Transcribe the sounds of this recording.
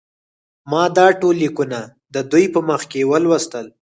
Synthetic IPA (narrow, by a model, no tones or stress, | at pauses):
mɑd̪ɑʈolːikuna | d̪əd̪ujpəməxkewəlwəst̪əl